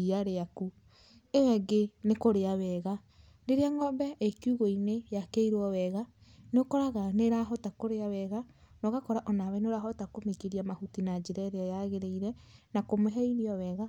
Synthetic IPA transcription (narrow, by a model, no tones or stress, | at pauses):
iaɾeaku | ewɛɡenekoɾeawɛɣa | neɾeaŋɔmbɛʔekuɣoinejakeiɾwɔwɛɣanokɔɾaɣaneɾaɦɔtakoɾeawɛɣa | nɔɣakɔɾaʔɔnawɛneoɾaɦɔtakomekeɾiamahutinad͡ʒeɾɛɾeajaɣeɾeiɾɛnakomoɦɛiɾiɔwɛɣa